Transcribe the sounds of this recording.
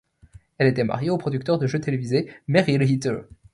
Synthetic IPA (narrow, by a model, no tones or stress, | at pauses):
ɛlet̪ɛma̰ʁjeopχɔd̪yk̚t̪œʁd̪əʒøt̪elevizemeʁilɦit̪ø̰